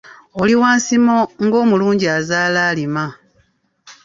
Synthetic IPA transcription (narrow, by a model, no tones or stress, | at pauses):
oliwaːnsimoŋɡo̞ːmuluːɲɟiazaːlaːlima